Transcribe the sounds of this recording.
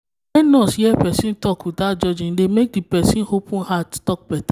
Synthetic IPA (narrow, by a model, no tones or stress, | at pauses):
ɛnɔ̃sijɛpɛsĩn̩tɔkutad͡ʒɔd͡ʒĩn̩demekipɛsĩnhopũhattɔk̚pɛta